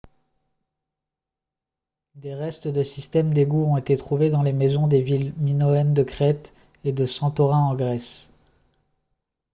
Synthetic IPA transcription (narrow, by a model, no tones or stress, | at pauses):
d̪eʁɛst̪d̪əsist̪ɛmd̪eɡuɔ̃tet̪et̪χuved̪ɑ̃lemɛzɔ̃d̪evilminɔɛnd̪əkχɛt̪ | ed̪əsɑ̃t̪ɔʁɛ̃ɑ̃ɡʁɛs